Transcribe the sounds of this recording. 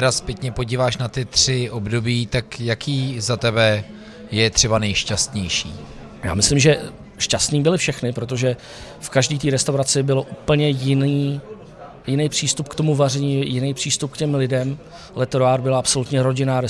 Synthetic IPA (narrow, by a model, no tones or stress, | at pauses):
ɛɾaspjɛkɲɛpo̞ɟiːvaːʃnat̪ɪt̪r̥ɪʔobdo̞biːt̪akjakiːzat̪ɛbɛ | jɛt̪r̥ɛbanɛjʃcast̪ɲɛjʃḭː | ja̰ːmɪslɪmʒɛ | ʃcast̪niːbɪlɪfʃɛxnɪpɾo̞t̪o̞ʒɛ | fkaʒdiːt̪̬iːɾɛst̪awɾat͡sɪbɪlo̞ʔuːpl̩ɲɛjɪniː | jɪnɛjpr̝̥iːst̪upkt̪omuvarɛɲiːjɪnɛjpr̝̥iːst̪up̚kcɛmlɪdɛm | lɛt̪ɾoaːɾbɪlaʔapso̞lut̪ɲɛɾo̞ɟɪnaːɾɛ